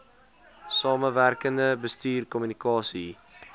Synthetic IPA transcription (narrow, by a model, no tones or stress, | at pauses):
sɑːməværkəndəbəstyːrkɔmynikɑːsi